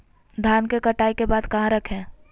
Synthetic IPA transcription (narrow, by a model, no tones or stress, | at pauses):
d̪ʱjaːnkekəʈaːikebaːd̪kɐɦãɾəkʰẽː